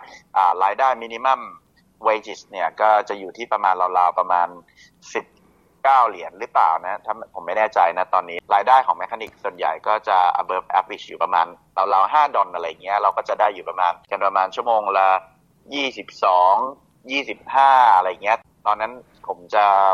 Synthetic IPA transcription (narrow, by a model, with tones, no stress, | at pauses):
ʔaː˨˩ɾaː˧jdaː˥˩jmi˧ni˧ma˥˩m | we˧˦t͡ɕi˨˩sni˥˩ɐkɔː˥˩t͡ɕa˨˩juː˨˩t̪ʰiː˥˩pɾa˧maː˧nɾa˧wlaː˧wpɾa˧maː˧n | si˨˩p̚ | kaː˥˩wli˨˩˦ənɾɯ˦˥plaː˨˩wna˦˥t̪ʰaː˥˩m˧˩pʰo˩˦mːa˥˩jnɛː˥˩t͡ɕa˧jna˦˥t̪ɔː˧nːiː˦˥ɾaː˧jdaː˥˩jkʰɔː˩˦ŋme˦˥kʰːa˧ni˨˩k̚su˨˩ənja̰˨˩jkɔː˥˩t͡ɕa˨˩ʔa̰˧bɤː˧˦p̚ʔɛ˦˥p̚ʰwi˨˩juː˨˩pɾa˧maː˧n | ɾa˧wlaː˧wɦaː˥˩dɔ˧nʔa˧ɾa˧ja˨˩ŋːi˦˥ɐɾa˧wkɔː˥˩t͡ɕa˨˩daː˥˩jːuː˨˩pɾa˧maː˧nka˧npɾa˧maː˧nt͡ɕʰu˥˩əmoː˧ŋla˧ | jiː˥˩si˨˩p̚sɔː˩˦ŋ | jiː˥˩si˨˩p̚haː˥˩a˧ɾa˧jːa˨˩ŋːi˦˥ɐ˨ | t̪ɔː˧nːa˦˥n | pʰo˩˦mt͡ɕa˨˩